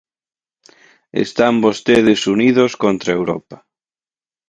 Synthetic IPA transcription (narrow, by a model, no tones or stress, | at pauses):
ḛst̪ambost̪eðɪsuniðoskont̪ɾaewɾɔ̰pa